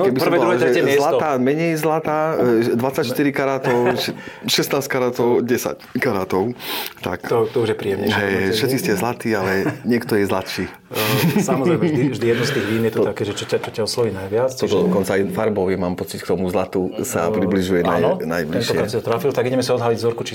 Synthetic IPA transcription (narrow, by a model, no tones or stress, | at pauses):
kɛbipɔrmɛɔɾuɛʒɛɛzɛlat̪aːmɛɲɛjzlat̪aːd̪ʋat͡sːacʃt̪iɾikaɾaːt̪ɔʊʃɛʃɛsnaːskaɾaːt̪ɔʊɟɛsa̰ckaɾaːt̪ɔʊt̪a̰ktɔt̪ɔuʒjɛpɾijɛmɲɛɦɛjɦɛjfʃɛt̪t͡siscɛzlat̪iːalɛɲɪɛkt̪ɔjɛzlat̪ʃiː | samɔzɛɛjmivʒd̪ijɛd̪nust̪iːɣʋiːnjɛt̪ɔakɛːʒɛt͡ʃɔcat͡ʃɔcaɔslɔʋiːnajʋɪat͡st̪ɔd̪ɔɔkɔnt͡saɛfaɾbɔʋjɛmaːmpɔt͡sickt̪ɔmuzlat̪usapɾibliʒujɛnajnajbliɛnʃɔɛkɾasit̪ɔt̪ɾafilt̪aɡiɟɛmɛsaɔd̪ɦaliɟzɔɾkut͡ʃi